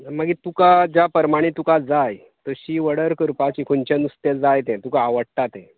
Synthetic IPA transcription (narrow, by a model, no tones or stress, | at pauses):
maɡit̪ukad͡ʑjapəɾmaɽ̃it̪ukad͡zaj | t̪əɕiːʋəɽəɾkəɾpat͡ɕiːkʰoɲt͡ɕenust̪ed͡zajt̪ɛ̃t̪ukaːʋəɽʈ̪at̪ɛ̃